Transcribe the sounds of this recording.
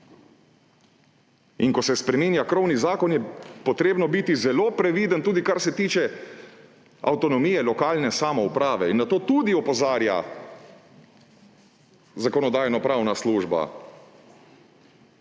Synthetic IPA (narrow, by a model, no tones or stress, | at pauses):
inkɔsɛspɾɛminjakɾɔwnizaːkɔnjɛpɔt̪ɾeːbnɔbit̪izɛloːpɾɛʋiːd̪ənt̪uːd̪ikaɾsɛt̪iːt͡ʃɛ | a̰wt̪ɔnɔmiːjɛlɔkaːlnɛsamɔupɾaːʋɛinːat̪oːt̪ud̪iɔpɔzaːɾja̰ | zakɔnɔd̪aːjnɔpɾaːwnasluːʒba̰